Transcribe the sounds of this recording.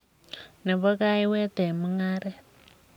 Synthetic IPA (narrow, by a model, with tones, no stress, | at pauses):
nɛ˨βɔ˦ka˦i˦wɛ˦tɛ˨mu˦ŋaː˦ɾɛ˦